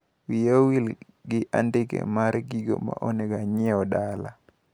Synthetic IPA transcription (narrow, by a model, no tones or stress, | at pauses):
wijawil | ɡɪʔandɪkḛmaɾɡiɡo̰ma̰ʔoneɡaɲɛɔdala̰